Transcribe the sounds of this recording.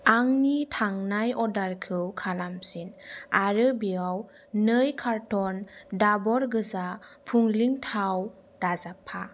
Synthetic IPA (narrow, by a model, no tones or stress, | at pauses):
aŋnitʰaŋnajɔdaɾkʰɯwkʰaɾamsinaɾɯbiaw | nɯjkʰaɾtɔndabɔɾɡɯzapʰuŋliŋtʰaw | dazapʰːa